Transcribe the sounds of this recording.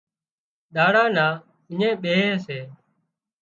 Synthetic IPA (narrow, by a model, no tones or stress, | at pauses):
ɗ̪aːɽãːnaː | ɪɲẽːɓeːeːseː